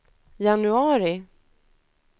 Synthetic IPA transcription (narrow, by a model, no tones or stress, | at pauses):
janɵɑːɾɪ